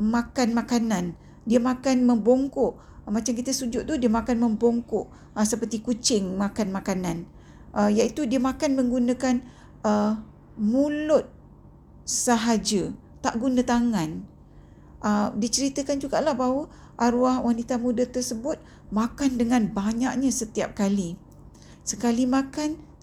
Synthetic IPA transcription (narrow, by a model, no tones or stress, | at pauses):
mãkanmãkanan | diəmakanmə̃mboŋkʊʔ | mat͡ʃamk̬it̪əsud͡ʒʊtʔt̪udiəmakanmə̃mboŋkʊʔ | səpərt̪ikut͡ʃɪŋmãkanmakanãn | ʔəjait̪udiəmakanmə̃ŋɡunə̃kan | ə | mulʊt̪̚ | səɦad͡ʒə | t̪aʔɡunãt̪aŋan | ʔədit͡ʃəɾit̪əkand͡ʒuɡaʔlahbawə | ʔaɾuahwanit̪amudət̪ərsəbʊt̪̚ | makandəŋanbaɲak̚ɲasət̪ia̰p̚kali | səkalimakan